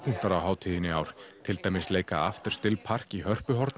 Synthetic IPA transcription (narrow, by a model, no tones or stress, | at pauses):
pun̥t̪aɾawɦaːwt̪ʰiːðɪnɪaːwɾt̪ʰɪlt̪aːjmɪsleːjkaa̰ft̪ɪɾ̥st̪ɪlpʰar̥kihœr̥pʏɦɔɾt̪n